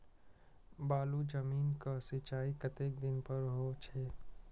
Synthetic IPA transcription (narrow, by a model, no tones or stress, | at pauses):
baːlud͡ʒəmiːnkasit͡ʃaːikɐt̪eːk̚d̪ɪnpəɾɦot͡ʃʰɛː